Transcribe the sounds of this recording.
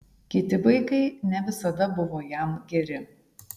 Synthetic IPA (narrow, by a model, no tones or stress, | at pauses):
kʲɪt̪ʲɪʋɐɪkɐɪnʲɛʋʲɪsɐd̪ɐbʊʋoːjɛˑmɡʲɛɾʲɪ